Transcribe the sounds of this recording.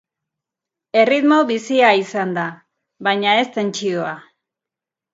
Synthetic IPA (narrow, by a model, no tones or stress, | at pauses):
e̞rit̪mo̞βisiaisand̪a | βajɲae̞st̪e̞nt͡ʃio̞a